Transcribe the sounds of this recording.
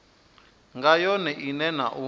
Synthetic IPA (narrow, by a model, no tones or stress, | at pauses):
ŋɡajɔnɛʔinɛna̰ʔu